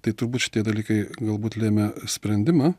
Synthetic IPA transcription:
t̪ɐɪt̪ʊɾbuːtʃʲɪ̥t̪ʲiɛd̪ɐlʲiːkɐɪɡɐlˠbuːt̪lʲeːmʲɛsʲpʲɾʲɛnʲd̪ʲɪmɑː

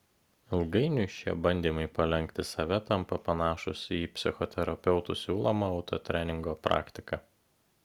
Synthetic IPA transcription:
ɪlˠɡɐɪnʲʊʃʲiɛbɐnʲd̪ʲiːmɐɪpɐlʲɛŋʲkt̪ʲɪsɐʋʲɛt̪ɐmpɐpɐnɑːʃʊ̰sʲiːpʲsʲɪxɔt̪ʲɛɾɐpʲɛʊt̪ṵsʲuːlˠomɐɒʊt̪o̰t̪ʲɾʲænʲɪŋɡoːpɾɑ̰ːkʲt̪ʲɪkɐ

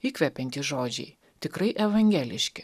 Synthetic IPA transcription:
iːkʋʲɛpʲɛnʲt̪ʲiːʒoːd͡ʒʲɛ̰ɪ | t̪ʲɪkɾɐɪʔɛʋɐŋʲɡʲæːlʲɪʃʲkʲɪ

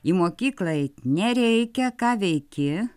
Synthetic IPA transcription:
imoːkʲiːklˠɐjnʲɛɾʲɛɪkʲɛkɑːʋʲɛɪkʲɪ

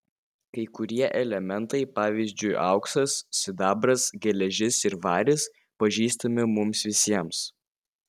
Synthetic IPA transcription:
kɐɪkʊɾʲiɛʔɛlʲɛmʲɛnˑt̪ɐɪpɑːʋʲiːzʲd͡ʒʲʊɪʔɑ̰ʊksɐsːʲɪd̪ɑːbɾɐsɡʲɛlʲɛʒʲɪsɪɾʋɑːɾʲɪs | pɐʒʲiːst̪ɐmʲɪmʊmsʋʲɪsʲiɛms

